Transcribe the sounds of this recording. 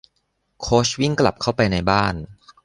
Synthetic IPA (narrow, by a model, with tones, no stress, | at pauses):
kʰoː˦˥swi˥˩ŋkla̰˨˩p̚kʰa˥˩wpa˧jna˧jbaː˥˩n